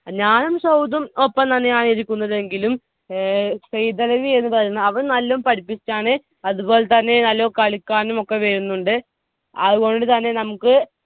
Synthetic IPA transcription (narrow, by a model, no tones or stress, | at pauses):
ɲaːnɐmsɐwd̪ɐmo̞pːɐmt̪ɐnːejaːɳiɾikʲːunːɐðe̞ŋɡilum | sejd̪ɐlɐʋie̞nːɨpɐrɐjunːɐɐʋɐɳnɐlːɐumpɐɽipːit͡ɕːaːɳɨ | ɐðubo̞ːlet̪ɐnːe̞nɐlːɐʋkɐɭikʲːaːnumo̞kːe̞ʋeɾunːuɳɖɨ | ɐðuɣo̞ɳɖɨt̪ɐnːe̞nɐmukːɨ